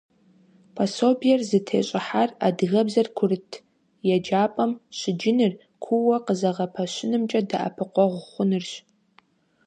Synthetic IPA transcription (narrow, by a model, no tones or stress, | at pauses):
pʰɐsoːbijɛrzɨtʰḛːɕʼɪħara̰dɣɐbzɐrkʷʰʊrɨtʰ | jɛd͡ʒaːpʼɐmɕɪd͡ʒɪnɨr | kʷʰʊwɐqəzɐʁɐpʰɐɕɪnɨmt͡ʃʼɐda̰ʔa̰pʰɨqʷɔʁʷʊχʷʊnɨrɕ